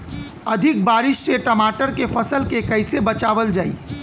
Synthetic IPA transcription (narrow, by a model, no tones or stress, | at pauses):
əd̪ʱɪk̚baːɾɪʃseʈəmaːʈəɾkefʰəsəlkekəɪsebət͡ʃaːʋəld͡ʒaːḭ